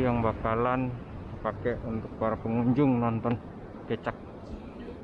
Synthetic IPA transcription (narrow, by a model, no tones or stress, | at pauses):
jaŋbakalan | pakɛʔunt̪ʊk̚paɾapəŋuɲd͡ʒʊŋnɔnt̪ɔn | kət͡ʃak̚